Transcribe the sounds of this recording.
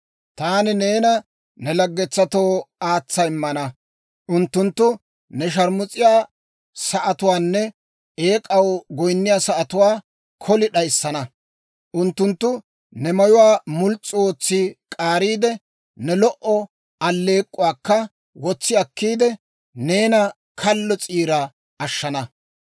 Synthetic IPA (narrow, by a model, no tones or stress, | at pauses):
t̪aːnɪne̞ːnɐ | nɛlɐɡːɛt͡sːɐt̪o̞ːaːt͡sːɐjmːɐnɐ | ʔʊnt̪ːʊnt̪ːʊ | nɛʃ̬ɐɾmʊt͡sʼɪjaː | sɐʔɐt̪ʊwaːnːɛ | eːkʼɐwɡɔjnːɪjaːsɐʔɐt̪ʊwaː | kʰɔlɪɗɐjsːɐnɐ | ʔʊnt̪ːʊnt̪ːʊ | nɛmɐjʊwaːmʊlt͡sʼːɪwoːt͡sːɪkʼaːɾiːd̪ɛ | nɛlɔʔɔ | ɐlːe̞ːkʼːʊwaːkːɐ | wɔt͡sːɪɐkːiːd̪ɛ | ne̞ːnɐ | kʰɐlːɔt͡sʼiːɾɐ | ɐʃːɐnɐ